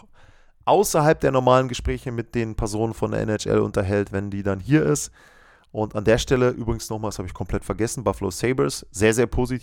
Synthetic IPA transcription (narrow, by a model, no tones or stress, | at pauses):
ʔaʊsɐɦalp̚d̥eːɐnɔɐmaːlənɡəʃpʁ̥ɛːçəmɪt̚d̥eːnpʰɛɐzoːnənfɔndḛɐʔɛ̰nɛt͡ʃʔɛ̰lʔʊ̰ntɐɦɛltvɛndiːdanɦiːɐɪst | ʔʊntandeːɐʃtɛləʔyːbʁɪɡŋ̩snɔχmaːlshaːbəɪçkʰɔmpʰl̥ɛtfɛɐɡɛsn̩baflo̰seɪbəsz̥eːɐzeːɐpʰoːzitʰ